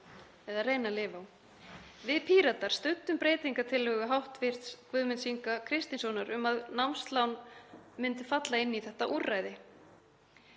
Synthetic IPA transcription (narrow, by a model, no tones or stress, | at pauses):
ɛðarejnalɪːvaw | vɪðpʰiːɾat̪aɾ̥st̪ʏnt̪ːʏmpɾeːjt̪iŋkat̪ʰɪlːœːɣʏɦawht̪vɪɾ̥t̪skvʏðmʏnsiŋkakʰɾɪst̪insɔwnaɾʏmaðnamst̪lawnmɪnt̪ʏ̥fat̪laɪnːiθɛht̪aʔurːajðɪ